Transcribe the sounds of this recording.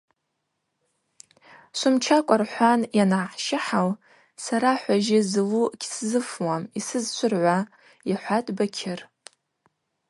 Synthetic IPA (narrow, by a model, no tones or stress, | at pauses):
sʷʊmt͡ʃʰakʷʼarħʷanjanaħʃɪħal | saɾaħʷaʒɪzɨluɡʲszɨfwamisɨzt͡ʃʷʰʊrʕʷa | iħʷatʼbakʲʰɪr